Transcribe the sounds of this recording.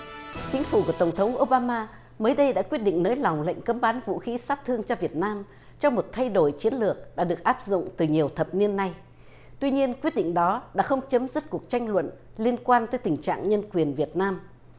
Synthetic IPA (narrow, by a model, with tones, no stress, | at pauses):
t͡ɕï˨˦ŋ̟fu˧˩ku˧˩ət̪ə˨˩wŋ͡mt̪ʰə˨˦ŋ͡mʔo˧ɓaː˧maː˧ | məː˨˦jɗə˧jɗa̰ː˧˥kwi˦˥ət̚ɗḭ˧˨ŋ̟nəː˨˦jla˨˩wŋ͡mlə̰˧˨jŋ̟kə˨˦mɓaː˨˦nvṵ˧˨xi˨˦saː˦˥t̚t̪ʰɨ˧əŋt͡ɕɔ˧vi˨˩ət̚naː˧m | t͡ɕɔ˧wŋ͡mmo˨˩t̚t̪ʰa˧jɗo˧˩jt͡ɕi˨˦ənlɨ˨˩ək̚ɗa̰ː˧˥ɗɨ˨˩ək̚ʔaː˦˥p̚zʊ̰˧˨ŋ͡mt̪ɨ˨˩ɲi˨˩əwt̪ʰə˨˩p̚ni˧ənːa˧j | t̪wi˧ɲi˧ənkwi˦˥ət̚ɗḭ˧˨ŋ̟ɗɔ˨˦ɗa̰ː˧˥xə˧wŋ͡mt͡ɕə˨˦mzɨ˦˥t̚ku˨˩ək̚t͡ɕa˧jŋ̟lwə̰˧˨nli˧ənkwaː˧nt̪əː˨˦jt̪ï˨˩ŋ̟t͡ɕa̰ː˧˨ŋɲə˧nkwi˨˩ənvi˨˩ət̚naː˧m